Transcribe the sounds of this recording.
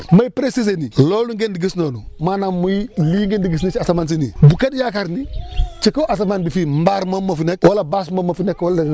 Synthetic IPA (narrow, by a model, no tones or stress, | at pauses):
majipɾesis̬eniloluŋɡendiɡisnonumanamːuiliːŋɡendiɡis̬nit͡ʃasamans̬inḭbukadjakaɾnit͡ʃikoʔas̬amanbifimbaɾmomːofinek̚walabas̬momafinekwoldiɡ